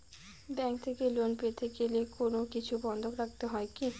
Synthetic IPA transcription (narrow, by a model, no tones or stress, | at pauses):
bɛŋt̪ʰekelonpet̪ʰekelekonokit͡ɕʰubɔnd̪ʱokɾak̚t̪eɦɔeki